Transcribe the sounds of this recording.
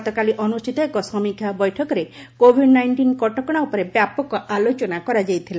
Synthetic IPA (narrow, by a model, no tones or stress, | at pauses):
t̪ɔkaliʔɔnusʈʰit̪ɔekɔsɔmikʰjabɔjʈʰɔkɔɾekobʱiɖnajɳʈinkɔʈɔkɔɽ̃aupɔɾebjapɔkɔʔalot͡ʃɔnakɔɾad͡ʒajt̪ʰila